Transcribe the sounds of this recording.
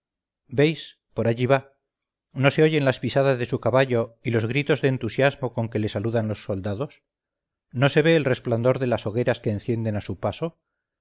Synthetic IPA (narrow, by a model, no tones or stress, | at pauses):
be̞js | po̞ɾaʝiβ̞a | no̞se̞o̞ʝe̞nlaspisaðazðe̞sukaβaʎo̞ilo̞zɣɾit̪o̞zðeːnt̪usjazmo̞ko̞ŋke̞le̞saluðanlo̞sːo̞ld̪aðo̞s | no̞se̞βe̞ːlre̞spland̪o̞ɾðe̞laso̞ɣ̞e̞ɾaske̞ːnθje̞nd̪e̞nasupaso̞